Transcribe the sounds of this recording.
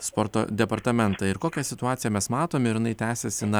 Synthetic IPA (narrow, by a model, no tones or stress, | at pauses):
spoːɾt̪o̰ːd̪ʲɛpɐɾt̪ɐmʲɛnt̪ɑɪɾkoːkʲɛsʲɪt̪ʊɑːt̪ʲɪjɛmʲɛsmɑːt̪oːmʲɪɾʲɪnɐɪt̪ʲæːsʲɛsʲɪnɐ